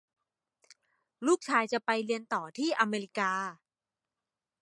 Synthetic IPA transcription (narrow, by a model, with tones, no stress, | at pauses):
luː˥˩k̚t͡ɕʰaː˧jt͡ɕa˨˩pa˧jli˧ənt̪ɔː˨˩t̪ʰiː˥˩ʔa˧meː˧li˦˥kaː˧